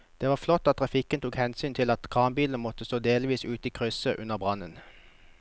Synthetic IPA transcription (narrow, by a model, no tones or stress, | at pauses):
d̪̥eːʋɑːʁflɔt̪ːɑt̪t̪ʰːʁɑfɪkənt̪uːkhɛnsyːnt̪ʰɪlɑt̪kʰʁɑːmbiːln̩mɔt̪əst̪oːd̪eːlʋiːsʉːt̪iːkʰʁʏsəʔʉnəʁbʁɑnən